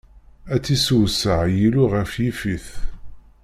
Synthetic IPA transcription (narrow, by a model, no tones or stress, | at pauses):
æt͡sːisuwsəʕjiluʁəfjifiθ